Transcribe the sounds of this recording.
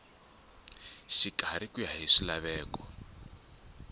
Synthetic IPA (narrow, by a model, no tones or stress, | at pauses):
ʃiɡ̥ʱaɾikujaɦiʂilaβɛːkɔ